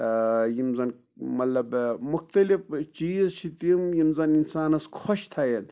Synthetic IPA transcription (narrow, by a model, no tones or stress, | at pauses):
jimzɐn | mɐt̪lɐbmuxt̪ɐlift͡ʃiːzt͡ʃʰit̪imjimzɐninsaːnɐskʰoʃt̪ʰajen